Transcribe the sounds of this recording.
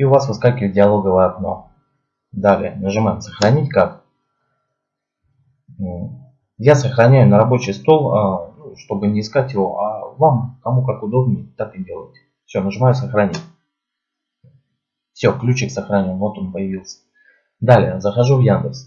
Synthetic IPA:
iʊvasvɨskalʲkʲɪvət̚dʲɪɐlˠo̞ɡəvəjəɐkno̞̰ | d̪alʲɪ̰ənəʐɨmajɪmsəxɾɐnʲitʲkak | jasəxɾɐnʲæjʊnəɾɐbo̞t͡ɕɪjst̪o̞lˠaʂt̪o̞bɨnʲɪɪːskatʲjɪvo̞̰ʔavamkɐmukakʊd̪o̞b̚nʲjɪt̪akɨdʲe̞lˠə̰jɪt̪ʲ | fsʲo̞nəʐɨmajʊsəxɾɐnʲitʲ | fsʲo̞klʲut͡ɕɪksəxɾɐnʲenvo̞t̪o̞npəjɪvʲilˠsʲə̥ | d̪alʲɪjəzəxɐʐuvjand̪əks

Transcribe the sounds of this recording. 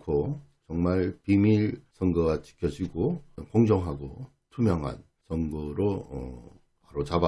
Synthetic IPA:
kʰo | t͡ɕʌŋmaɭpimiɭsʰʌŋɡʌɡat͡ɕi̥kʰjʌd͡ʑiɡokoŋd͡ʑʌŋɦaɡo | tʰumjʌŋɦa̰n | sʰʌŋɡʌɾoʌ̰ | paɾot͡ɕaba

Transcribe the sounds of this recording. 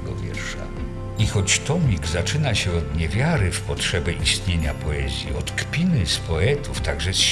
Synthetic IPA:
ɡɔ̰vʲjɛ̰ɾʂa̰ | ixɔt͡ɕt̪ɔmʲiɡzat͡ʂɘnaɕɛɔd̪ɲɛvʲjaɾɘfpɔtʂɛbʲɛʔist̪ɲeɲapɔɛzʲjḭɔt̪kpʲinɘspɔɛt̪uft̪aɡʐɛs

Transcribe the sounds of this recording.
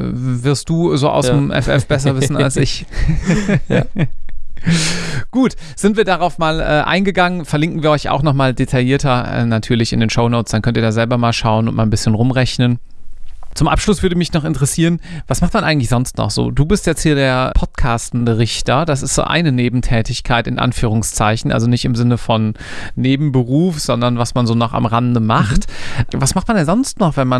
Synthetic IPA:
vɪɐst̚d̥uːzoːʔa̰ʊmʔɛ̰fʔɛ̰fb̥ɛs̬ɐvɪsn̩a̰lsɪç | ɡ̥uːt | z̥ɪntv̥iːɐdaʁaʊfmaːlʔɛːʔa̰ɪnɡəɡaŋənfɛɐlɪŋkn̩viːɐʔɔʏça̰ʊxnɔχmaːldetʰajiːɐtɐɛ̰ːnatʰyːɐlɪçɪ̰ndeːnʃoʊnoːt͡ssd̥ankʰœntiɐaːzɛlbɐmaːlʃaʊənʊnt̚maːlnbɪsçənʁʊmʁɛçnən | t͡sʊmʔa̰pʃlʊsv̥ʏɐdəmɪçnɔχɪntəʁəsiːʁ̞ənv̥asmaχt̚manʔaɪɡŋ̩tlɪçz̥ɔnstnɔ̰χz̥o̰ːduːbɪstjɛt͡sthiːɐdeːɐpʰɔtkʰaːstn̩dəʁɪçtɐd̥as̬ɪstz̥o̰ːʔa̰ɪnəneːbm̩tʰɛːtɪçkʰaɪtɪ̰nʔa̰nfyːʁ̞ʊŋst͡saɪçn̩ʔa̰lzonɪçtɪmzɪnəfɔnː | eːbm̩bəʁuːfz̥ɔndɐnvasmanzoːnɔχa̰mʁandəmaχtvasmaχtmandɛnzɔnstnɔχv̥ɛnman

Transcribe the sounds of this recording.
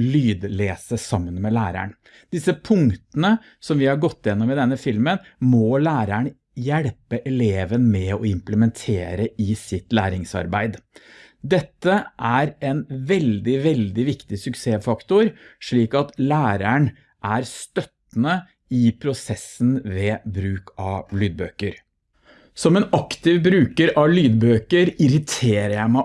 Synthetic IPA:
lyːd̪leːsəsɑmːənmɛlæːɾæ̰ɳ | d̪ɪsəpʰʊŋt̪ənə | sɔmʋɪhɑɾɡɔt̪ːɪjɛnːɔmɪd̪ɛnːəfɪlmənmɔlæːɾæɳ | jæɽpəʔɛleːʋənmɛɔɪmpləmɛnt̪ʰeːɾəɪsɪt̪læ̰ːɾɪŋsɑ̰ɾbæɪd̪ | d̪ɛt̪ːəʔæɾɛnʋɛld̪ɪʋɛld̪ɪʋɪkt̪ɪsʉkseːfɑkt̪ʊɾʂɭiːkɑt̪læːɾæɳ | ʔæɾst̪œt̪n̩ə | ɪpʰɾʊsɛsənʋeːbɾʉːkɑʋlyːd̪̚bø̰ːkəɾ | sɔmɛnɑkt̪ɪʋbɾʉːkəɾɑʋlyːd̪bøːkəɾɪɾɪt̪ʰeːɾəjæɪmæ

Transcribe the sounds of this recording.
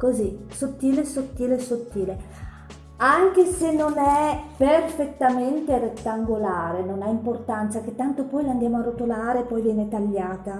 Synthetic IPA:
kozisot̪ːiːlesot̪ːiːlesot̪ːiːle | aŋk̟esenːonɛperfet̪ːament̪eret̪ːaŋɡolaːɾenonaimport̪ant̪sak̟et̪ːant̪opɔjland̪jaːmoarot̪olaːɾepɔjvjɛːnet̪aʎːaːt̪a

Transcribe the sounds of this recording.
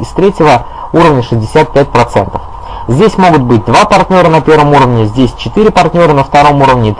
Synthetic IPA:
ɪst̪ɾʲetʲɪvə | uɾəvnʲəʂɨzʲdʲɪsʲæt̪̚pʲæt̚ʲpɾɐt̪sɛ̰nt̪ə̥f | zʲdʲesʲmo̞ɡʊt̪̚bɨt̚ʲd̪vapɐrt̪ʲnʲo̞ɾənɐpʲe̞rvəmuɾəvnʲɪzʲdʲesʲt͡ɕɪt̪ɨɾʲɪpɐrtʲnʲo̞ɾənəft̪ɐɾo̞muɾəvnʲɪːt̪

